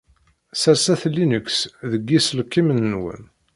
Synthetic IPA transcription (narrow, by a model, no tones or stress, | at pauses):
sæsæθlːinəksðəɡːislkːimənːwə̰n